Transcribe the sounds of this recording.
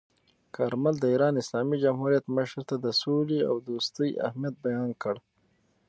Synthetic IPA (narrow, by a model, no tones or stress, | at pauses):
kʰaɾmald̪əiːɾɑːnɪslɑːmid͡ʒamɦuɾijat̪məʃɾt̪ad̪əsolia̰wd̪uːst̪əjʔa̰hmijɐt̪̚bajɑːnkəɽ